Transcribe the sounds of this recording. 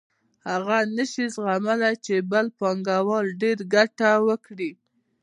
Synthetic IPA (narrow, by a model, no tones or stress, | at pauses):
haɣanəʃizɣamalajt͡ʃebəlpɑŋɡawɑlɖeɾɡaʈawəkɽi